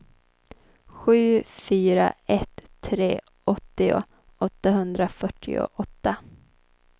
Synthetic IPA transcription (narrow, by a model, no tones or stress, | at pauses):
ɧʉ̟ːfyːɾa̰ɛt̪ʰːɾeː | ʔɔt̪ːɪʊ̰ | ɔt̪ːaɦɵnd̪ɾafœʈʰːɪ̰ʊ̰ʔɔt̪ːa